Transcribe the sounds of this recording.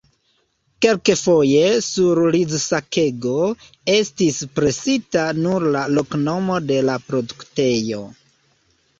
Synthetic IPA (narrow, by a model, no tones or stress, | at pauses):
ke̞lkefo̞je̞suɾlizsake̞ɡo̞ | e̞stispɾe̞sitanuɾlalo̞kno̞mo̞de̞lapɾo̞dukte̞jo̞